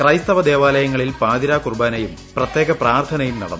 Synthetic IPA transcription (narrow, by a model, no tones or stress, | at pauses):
krɐjst̪ɐʋɐd̪e̞ːʋaːlɐjɐŋːɐɭilpaːd̪iɾaːkurbaːnɐjum | prɐt̪je̞ːɣɐpraːrt̪ʰɐnɐjumnɐ̰ɽɐnː